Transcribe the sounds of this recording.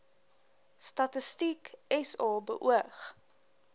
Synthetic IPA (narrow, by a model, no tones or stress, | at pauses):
stɐtəstikɛsɑːbə̰ʔuəχ